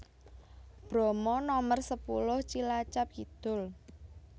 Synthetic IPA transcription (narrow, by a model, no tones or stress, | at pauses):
b̥ɾɔ̤mɔnɔmərsəpulʊht͡ʃilat͡ʃap̚kit̪ʊl